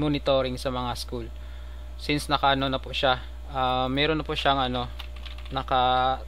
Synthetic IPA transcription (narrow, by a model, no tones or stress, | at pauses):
monɪt̪o̞ɾɪŋsɐmɐŋaskul | sɪnsnɐkɐʔɐno̞nɐpʊʔʃa | ʔamːɛɾonːɐpʊʔʃaŋʔɐno̞ | nɐkɐ